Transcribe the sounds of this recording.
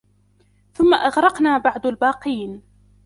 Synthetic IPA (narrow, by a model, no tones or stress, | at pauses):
θʊmːaʔɑɣɾˤɑqnaːbaʕd̪albɑːqiːn